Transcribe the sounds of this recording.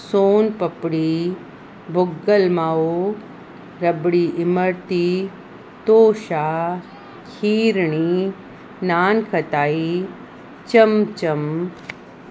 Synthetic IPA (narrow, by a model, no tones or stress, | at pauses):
soːnpɐpɽiː | bʱʊɡːəlmaːo | ɾɐbɽiʔɪmɐɾt̪i | t̪oːʃaː | kʰiːɾɳi | naːnkʰɐt̪aːi | t͡ʃɐmt͡ʃɐm